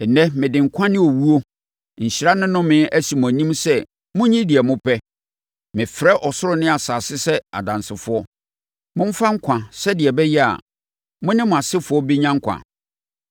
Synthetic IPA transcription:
ɛ˨nɛ̃˦mɪ̃˨dɪ̃˨ŋ̩˨kʷʰã˦nɪ̃˦o˨wu˦o˦ | ɲ̩˨ɕɾa˦nʊ̃˦nʊ̃˦mɪ̃˦æ˦si˨mʊ̃˨æ˨nĩ˦msɛ˦˨ | mʊ̃˦ɲĩ˦dɪ˨ɛ˨mʊ̃˦pʰɛ˦ | mɪ̃˨fɾɛ˦ʔɔ˨sʊ˦ɾʊ˦nɪ̃˦a˨saː˨sɪ˦sɛ˦a̰˨dã˨nsɪ˨fʊ˦ɔ˦ | mʊ̃˦m̩˦fa˦ŋ̩˦kʷʰã˨sɛ˦dɪ˨ɛ˨bɛ˦jɛ˦a̰˨ | mʊ̃˦nɪ̃˦mʊ̃˨a˨sɪ˦fʊ˦ɔ˦bi˦ɲã˦ŋ̩˦kʰʷã̰˨

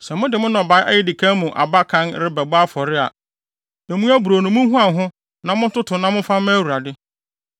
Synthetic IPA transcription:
sɛ˨mʊ̃˦dɪ˨mʊ̃˦nɔ̃˨ba˨˦ɪ˦ʔa̰˦jɛ˨dɪ˨kʰã˦mũ˨ʔa̰˨ba˦kʰã˦nɾɪ˦bɛ˨ba˦fɔ˨ɾɪ˦a̰˨ | næ̃˨mũ˦æ˦bu˨ɾo˨nʊ̃˨mʊ̃˦ɦũ˦ã˨ɦʊ̃˦ | nã˨mʊ̃˦tʊ˦tʰʊ̃˨nã˦mʊ̃˦fa˦m˦æ˦wu˨ɾa˨dɪ˦

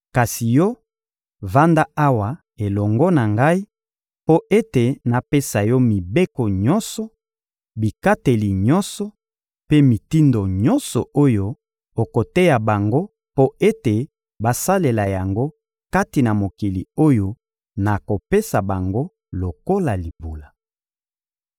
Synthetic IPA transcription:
ka˨si˨jɔ˦ | va˦nda˦a˦wa˨ | e˨lɔ˨ŋɡɔ˦na˨ŋɡa˦i˦ | po˦ʔe˦te˨na˨pe˦sa˨jɔ˦mi˨be˦kɔ˨ɲɔ̃˦nsɔ˨ | bi˨ka˦te˨li˨ɲɔ̃˦nsɔ˨ | pe˦mi˨ti˦ndo˨ɲɔ˦nsɔ˨o˦jo˦ | o˨ko˨te˦ja˨ba˨ŋɡo˦ | po˦e˦te˨ | ba˨sa˦le˨la˨ja˨ŋɡo˦ | ka˦ti˨na˨mo˨ki˨lḭ˨o˦jo˨ | na˨ko˨pe˦sa˨ba˨ŋɡo˦ | lo˨ko˦la˨li˨bu˨la˨

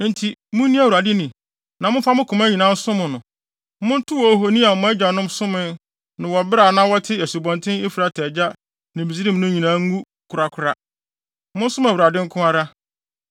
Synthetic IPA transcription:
n̩˦tʰi˨mʊ̃˦nĩ˦a˦˨wu˨ɾa˨dɪ˦nĩ˨ | nã˨mʊ̃˦fa˦mʊ̃˦kʰʊ̃˨mæ˦ɲĩ˨nã˦n̩˦sʊ̃˦mʊ̃˨nʊ̃˨ | mʊ̃˦n̩˦tʰʊ˦wɔ˨ɦo˨nĩ˦a˨m̩˨mʊ̃˦ɛ˦d͡ʑa˨nʊ̃˦msʊ̃˦mɪ̃˦ | nʊ̃˨wɔ˨bɪ˦ɾa˨nã˦wɔ˦tʰɪ˦ɛ˨su˨bɔ̃˨ntʰɪ̃˦ɪ˦fi˨ɾa˨tʰɛ˨d͡ʑa˦ | nɪ̃˨bi˨zi˦ɾĩ˦m˦nʊ̃˦ɲĩ˨nã˨˦ɡu˦ | kʰʊ˨ɾa˨kʰʊ˨ɾa˦ | mʊ̃˦n̩˦sʊ˦mæ˨wu˨ɾa˨dɪ̃˦ŋ̩˦kʰʊ̃˦a˦ɾa˦

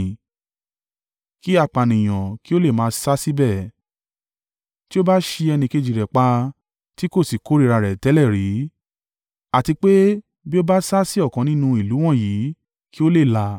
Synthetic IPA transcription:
ki˦a˧˨k͡pa˨nĩ˨j̃ã˨ki˦o˦le˦˨mãː˨˦sa˦si˦bɛ˦˨ | ti˦o˦ba˦ʃe˧ɛ˧nĩ˧ke˧d͡ʒi˨ɾɛ˨k͡pa˧ | ti˦ko˦˨si˨ko˨˦ɾi˦˨ɾa˧ɾɛ˨tɛ˨˦lɛ˦˨ɾi˨˦ | a˨ti˧k͡pe˦ | bi˦o˦ba˦sa˦si˦ɔ˦˨kɔ̃˨nĩ˦nũ˧i˨lu˨˦w̃ɔ̃˦˨ji˨˦ | ki˦o˦le˦˨la˧

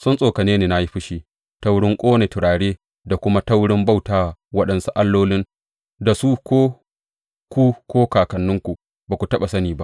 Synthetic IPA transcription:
sʊ˦nsʼoː˨kɐ˨neː˦neː˨na˦ji˦ɸɪ˦ʃiː˦ | ta˦wɽɪ˦ŋkʷʼoː˦ne˨tɪ˨ɽaː˨ɽeː˦ | da˨kʷʊ˦ma˦ta˦wɽɪ˦mba˦˨wtaː˨wɐ˦ɗɐ˦nsu˦ʔa˦lːoː˦lɪ˦n | da˨su˦kʷoː˦ | kʷuː˦kʷoː˦kaː˨kɐ˨nːʊ˦ŋkʷu˨ʔ | baː˨kʷu˨tɐ˦ɓa˨sɐ˦niː˨ba˦ʔ

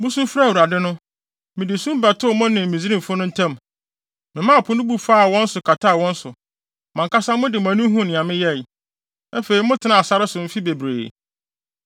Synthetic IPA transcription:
mʊ̃˦sũ˦fɾa˦˨wu˨ɾa˨dɪ˦nʊ̃˦ | mɪ̃˨dɪ˨sũ˦m˦bæ˨tʰʊ˦˨mʊ̃˦nɪ̃˨m˨mĩ˨zi˦ɾĩ˦m̩˨fʊ˦nʊ̃˦n̩˦tʰã˦m | mɪ̃˨mã˦˨pʰʊ˦nʊ̃˦bu˦faː˦a˨wɔ̃˦n̩˦sʊ˨kʰa˨tʰa˦a˨wɔ̃˦n̩˦sʊ˨ | mã˨ŋka˦sã˦mʊ̃˦dɪ˨mã˨nũ˦ɦũ˦˨nɪ̃˨ã˨mɪ̃˦jɛ˦˨j | æ˦fe˨ɾi˨mʊ̃˦tʰɪ˨nã˨a˨sa˦ɾɪ˦sʊ˨m̩˦fi˦be˨bɾḛː˨

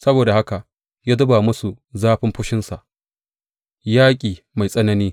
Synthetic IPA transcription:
sɐ˦boː˨da˨ha˦ka˨ʔ | jaː˦dʊ˦ba˨mʊ˦su˨ | zaː˦ɸɪ˦mɸʊ˦ʃɪ˦nsa˨ʔ | jaː˦kʲʼiː˨ | ma˨jsʼɐ˦nɐ˦niː˦

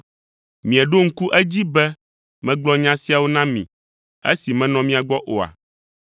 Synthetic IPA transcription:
mĩ˨ɛ˨ɖo˦ŋ̩˦ku˦ʔɛ˦d͡ʑi˦bɛ˦ | mɛ̃˦ɡ͡blɔ˦ɲã˦si˦a˨wo˦nã˦mḭ̃˨ | ḛ˦si˨mɛ̃˦nɔ̃˨mĩ˦a˨ɡ͡bɔ˦ʔo˨a̰˨

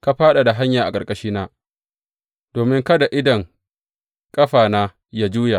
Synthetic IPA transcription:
ka˦ɸaː˦ɗa˨da˨ɦa˦ɲjaː˨ʔa̰˨kʼɐ˨kʼɐ˦ʃiː˦naː˦ | d̥oː˨mɪ˦ŋkɐ˦da˨ʔɪ˦dɐ˨ŋ | kʼɐ˦ɸaː˨naː˦ | jaː˦d͡ʒuː˦ja˨

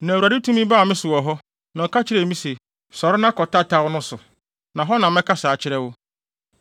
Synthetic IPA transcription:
nã˨wa˨dɪ˦tʰũ˦mĩ˦baː˦˨mɪ̃˦sʊ˨wɔ˨ɦɔ˦ | nã˨ɔ˨kʰa˦t͡ɕʰɪ˨ɾɛ˨mĩ˦se˨ | sɔ˨ɾɪ˦nã˦kɔ˨tʰa˦tʰa˨wʊ˦nʊ̃˦sʊ˨ | nã˨ɦɔ˦nã˨mɛ̃˦kʰa˦saː˨t͡ɕʰɪ˦ɾɛ˦wʊ˦

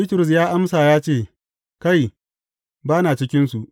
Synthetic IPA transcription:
biː˦tɪ˨ɾʊ˨s̬jaː˦ʔa˦msaː˨jaː˦t͡ʃeː˦˨ | ka˦˨j | baː˦naː˨t͡ʃɪ˦kʲɪ˦nsu˨ʔ

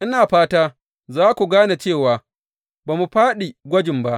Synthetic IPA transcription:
ʔɪ˦naː˨ɸaː˦taː˦ | zaː˦kʷu˨ɡaː˦na˨t͡ʃeː˦˨waː˨ | baː˨mu˨ɸaː˦ɗi˨ɡʷɐ˦d͡ʒɪ˨mba˦ʔ

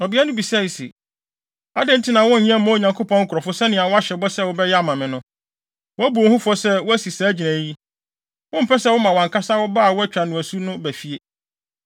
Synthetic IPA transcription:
ɔ˨bi˦a˦nʊ̃˦bi˨sa˦˨i˨sḛ˨ | a˦dɛ̃˦n̩˦tʰi˦nã˨wɔ̃˦n̩˨ɲĩ˦ɛ̃˦m̩˦mã˦˨ɲã˨ŋkʰo˦pʰɔ̃˦ŋ̩˦kʰʊ˨ɾɔ˨fʊ˦sɛ˦nɪ̃˨a˨wɔ˦a˦ɕɛ˨bɔ˦sɛ˦˨wɔ˦bɛ˦jɛ˦a˦˨mã˨mɪ̃˨nʊ̃˦ | wɔ˦æ˦bu˨o˨hʊ̃˦fɔ˦sɛ˦wɔ˦æ˦si˨saː˨˦d͡ʑi˨næ̃˨ji˦ | wʊ̃˦m̩˨pʰɛ˦sɛ˦wʊ˦mã˨wã˨ŋkʰa˦sa˦wɔ˦ba˦a˨wɔ˦æ˦t͡ɕᶣa˨nʊ̃˨æ˨su˦nʊ̃˦bæ˨fi˦e˦

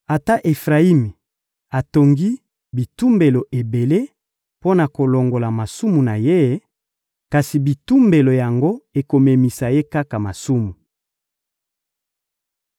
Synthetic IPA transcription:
a˨ta˦ʔe˨fʁa˨i˦mi˨ | a˨to˨ŋɡi˦ | bi˨tu˦mbe˨lo˨ʔe˨be˨le˦ | po˦na˨ko˨lo˨ŋɡo˨la˨ma˨su˦mu˨na˨je˦ | ka˨si˨bi˨tu˦mbe˨lo˨ja˨ŋɡo˦e˨ko˨me˨mi˨sa˨je˦ka˦ka˨ma˨su˦mu˨

